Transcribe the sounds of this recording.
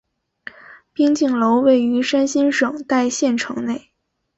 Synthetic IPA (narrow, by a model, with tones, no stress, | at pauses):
pi˥ŋt͡ɕi˥˩ŋlo˧˥ʊwe˥˩ɪy˧˥ʂa˥nɕi˥nʂɤ˨˩ŋt̪a˥˧ɪɕjɛ˥˩nʈ͡ʂʰɤ̰˧˥ŋne˥˩ɪ